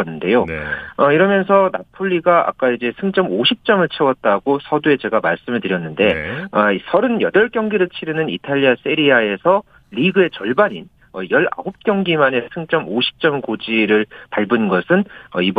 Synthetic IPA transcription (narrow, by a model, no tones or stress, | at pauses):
ʌnːɯnde̞joʌiɾʌmjʌnsʰʌna̰pʰoʎːiɡaʔa̰k͈aid͡ʑe̞sʰɯŋt͡ɕ͈ʌmoɕʰip̚t͡ɕ͈ʌmɯɭt͡ɕʰewʌt̚t͈aɡosʰʌdue̞t͡ɕe̞ɡamaɭs͈ɯmɯɭtɯɾjʌnːɯnde̞ʌisʰʌɾɯnjʌdʌɭkjʌŋɡiɾɯɭt͡ɕʰiɾɯnɯnḭtʰaʎːias͈eɾiae̞sʰʌ | ʎiɡɯe̞t͡ɕʌɭbaɲin | ʌjʌɭa̰ɦop̚k͈jʌŋɡimane̞sʰɯŋt͡ɕ͈ʌmoɕʰi̥p̚t͡ɕ͈ʌmkod͡ʑiɾɯɭpaɭbɯnɡʌsʰɯnʌib